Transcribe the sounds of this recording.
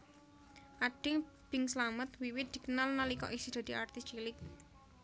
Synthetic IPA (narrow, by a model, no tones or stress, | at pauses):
ʔaɖ̥ɪ̤ŋ | b̥ɪ̤ŋsəlamət̪wiwɪt̪̚d̪̥i̤kənalnalikɔ̰ʔisid̪̥ä̤d̪̥i̤ʔart̪ɪst͡ʃilɪk̚